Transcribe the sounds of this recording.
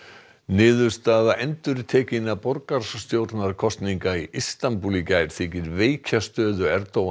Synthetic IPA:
nɪːðʏɾ̥st̪aːðaʔɛnt̪ʏɾt̪ʰɛːcɪnːapɔɾkaɾ̥sst̪jowɾt̪naɾkʰɔst̪niŋkaiʔist̪anpuːlicajɾ̥θɪːcɪɾveːjcʰast̪œːðʏɛɾt̪owa

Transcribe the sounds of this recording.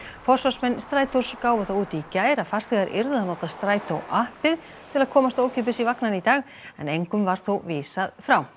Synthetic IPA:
fɔr̥svḁsmɛnst̪ɾaːjt̪uɾ̥skaːwvʏθawuːt̪icaːjɾafaɾ̥θɛɣaɾʔɪ̰ɾðʏanɔːt̪ast̪ɾaːjt̪ʰowʔahpɪð | t̪ʰɪlaðkʰɔːmast̪oːwcʰʏp̬ɪsivaknanɪit̪aːɣ | ɛ̰nejŋkʏmvaɾ̥θowviːsaðfɾaw

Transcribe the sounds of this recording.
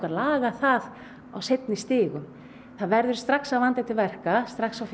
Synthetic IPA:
kalaːɣaθað | a̰wsejt̪nɪst̪ɪːɣʏm | θaðvɛɾðʏɾ̥st̪ɾaksawvant̪ɛt̪ɪɾvɛr̥kast̪ɾaksawf

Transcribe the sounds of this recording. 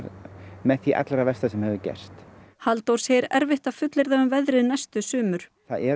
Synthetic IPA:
ɾmɛðθiʔa̰t̪lɛɾavɛst̪asɛmhɛvʏcɛ̰r̥st̪halt̪owɾ̥sɛɾɛ̰ɾvɪht̪ḁfʏt̪lɪɾðaʏmvɛðɾɪðnɛst̪ʏsʏːmʏɾ̥ | θa̰ðɛ

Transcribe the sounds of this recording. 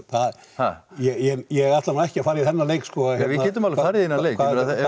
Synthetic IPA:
θað | jɛɣjɛjɛɣaft̪anaɛhcɪafaːɾjiθɛnːaleːjkskɔjɛvɪaɛːt̪ʏmalfaɾjðinːalejkʰaɾa

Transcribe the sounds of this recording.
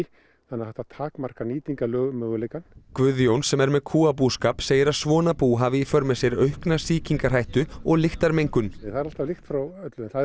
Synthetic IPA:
θanːaθɛht̪at̪ʰaːkmar̥kaniːt̪iŋkalœːɣmœːɣʏlejkankvʏðjownsɛmɛɾmɛðkʰuːapuskaːpseːjɪɾaðsvɔːnapuːɦaːvɪifœɾmɛsjɛɾœɥhknasiːciŋkaɾ̥ɦajht̪ʏɔɣlɪxt̪aɾmejŋkʏnɛθaðɛɾal̥t̪avlɪxt̪fɾawœt̪lʏɛnθa

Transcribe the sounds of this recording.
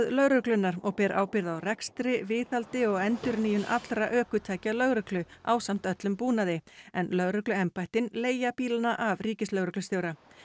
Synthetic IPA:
ðlœɣɾʏklʏnːaɾɔɣpɛːɾʔa̰ːwpɪɾðawrɛkst̪ɾɪvɪːθalt̪ɪɔɣɛnt̪ʏɾniːjʏnʔa̰t̪lɾaʔœːkʏt̪ʰaːjcalœɣɾʏklʏʔa̰wsam̥t̪œt̪lʏmpuːnaðɪɛnlœɣɾʏklʏɛmpajht̪ɪnleːjapiːlanaʔavriːcɪslœɣɾʏklʏst̪joːwɾa

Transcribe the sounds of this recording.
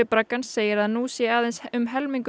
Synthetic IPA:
ɪpɾakːansːeːjɪɾaðnusjɛaːðensʏmɦɛlmiŋk

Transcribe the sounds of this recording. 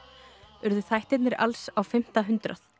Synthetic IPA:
ʏɾðʏθajht̪ɪt̪nɪɾa̰lsawfɪm̥t̪aɦʏnt̪ɾaθ

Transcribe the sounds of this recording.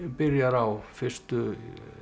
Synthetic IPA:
pɪɾjaɾawfɪr̥st̪ʏ

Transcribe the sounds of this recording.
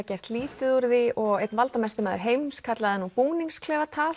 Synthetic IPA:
acɛr̥t̪liːt̪ɪðuɾðiʔɔɣejt̪nvalt̪amɛst̪ʏmaːðʏɾ̥ɦejmskʰat̪laðɛnːupuːniŋskʰlɛːvat̪ʰaːl

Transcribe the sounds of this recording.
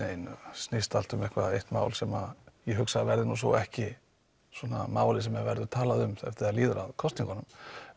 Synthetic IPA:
ejn̰snɪst̪al̥t̪ʏmɛhkva̰ðejht̪ma̰ːwlsɛmajiɛɦʏksavɛɾðɪnusvo̰wɛhcɪ | swɔna̰maːwlɪs̬ɛmavɛɾðʏt̪ʰaːlaðʏmθɛ̰ft̪ɪaliːðʏɾa̰ðkʰɔst̪niŋkanʏm

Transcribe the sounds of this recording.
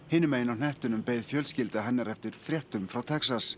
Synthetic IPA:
hɪːnːɪmeːjɪnawnɛht̪ʏnʏmpejðfjœlscɪlt̪aɦɛnːaɾɛft̪ɪɾ̥θɾjɛht̪ʏmfɾawt̪ʰɛksas

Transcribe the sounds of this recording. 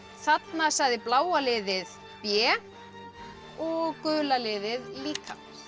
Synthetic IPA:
θat̪nasajðɪplaːwalɪːðɪð | pjɛː | ɔɣkʏːlalɪːðɪðliːka̰

